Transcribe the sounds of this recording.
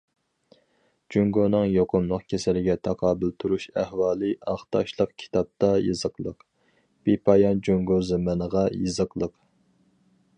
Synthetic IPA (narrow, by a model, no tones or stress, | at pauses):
d͡ʒyŋɡonɨŋjoqʰʊmlˠəqkʲʰesɛlɪɡʲɛt̪ʰɑqʰɑːbɨlt̪ʰuɾuʃæhwɑːlˠɨɑχt̪ɑʃlˠəqkʲʰi̥t̪ʰɑp̚t̪ɑjɨzəqlˠəq | b̥ipʰɑjɑnd͡ʒoŋɡozemɛnəʁɑjɨzəqlˠəq